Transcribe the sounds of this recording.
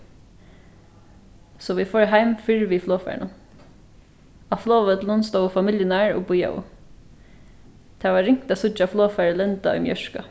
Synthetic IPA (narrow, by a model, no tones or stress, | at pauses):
sɔːʋiːfɔːɹɦæɪmfɪɹʋiːfloːfæ̰ːɳʊ | ɑfloːʋət̪lʊnst̪oʊfɑmɪljənæːɹo̰ːbʊjɑ̰ʊ̰ | t̪ʰæːʋɑːɾɪŋkt̪ɑsʊd͡ʒɑfloːfæːɹəlɛnt̪ɑ̰œ̰ːmjœʃkɑ̰